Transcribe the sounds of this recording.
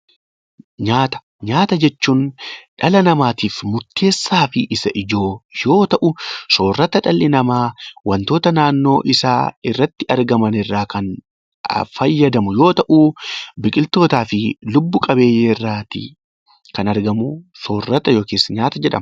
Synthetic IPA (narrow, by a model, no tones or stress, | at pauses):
ɲaːt̪ɐ̥ | ɲaːt̪ɐd͡ʒɛt͡ʃːuːnᶑɐlɐnɐmaːt̪iːfmʊɾt̪ːe̞ːsːaːfɪʔɪsɐʔɪd͡ʒo̞ːjo̞ːt̪ɐʔʊso̞ːrːɐt̪ɐᶑɐlːɪnɐmaːwɐnt̪o̞ːt̪ɐnaːnːo̞̰ːʔɪsa̰ːɪrːɐt̪ːɪɐɾɡɐmɐnɪrːaːkɐn̰ | fɐjːɐd̪ɐmʊjo̞ːt̪ɐʔuːbɪkʼɪlt̪o̞ːt̪aːfɪlʊbːʊkʼɐbe̞ːjːeːrːaːt̪ɪ̰ | kɐnɐɾɡɐmuso̞ːrːɐt̪ɐjo̞ːkeːsːɐɲaːt̪ɐd͡ʒɛᶑɐ̰mɐ